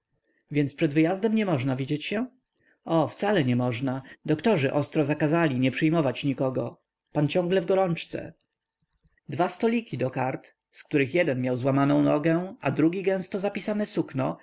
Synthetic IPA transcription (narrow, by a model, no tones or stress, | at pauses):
vʲjɛnt̪spʂɛd̪vɘjazd̪ɛmɲɛmɔʐnavʲid͡ʑet͡ɕɕɛ | ɔft̪salɛɲɛmɔʐnad̪ɔkt̪ɔʐɘʔɔst̪ɾɔzakazalʲiɲɛpʂɘjmɔvat͡ɕɲikɔɡɔ̰ | pant͡ɕɔ̃ŋɡlɛvɡɔɾɔnt͡ʂt̪sɛ̰ | d̪vast̪ɔlʲikʲid̪ɔkaɾt̪ | skt̪uɾɘxjɛd̪ɛnmʲjawzwamanɔ̃w̃nɔɡɛʔad̪ɾuɡʲiɡɛ̃w̃st̪ɔzapʲisanɛsuknɔ